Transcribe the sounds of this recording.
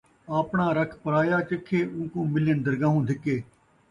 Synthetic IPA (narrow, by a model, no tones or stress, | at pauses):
aːpɳãːɾəkʰpəɾaːjaːt͡ʃɪkʰːeːũːkũːmɪljənd̪əɾɡãːɦũːd̪ʱɪkːeː